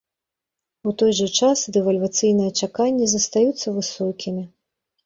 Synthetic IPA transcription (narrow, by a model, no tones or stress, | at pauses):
ut̪ɔjʐɐt͡ʂasd̪ɛvɐlʲvat̪sɨjnɐjɛt͡ʂakanʲːɛzɐst̪ajut̪sːɐvɨsɔkʲimʲi